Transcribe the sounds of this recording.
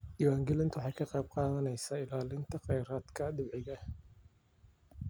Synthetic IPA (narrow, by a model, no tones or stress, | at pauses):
d̪iwaːŋɡɛlɪnt̪ʰʊwħɑjkʰɐqɑjb̚qɑːðɐnɛjsaːɪlaːlɪnt̪ʰɐqɛjɾaːd̪kʰɐd̪ɪbʕɪɣɐ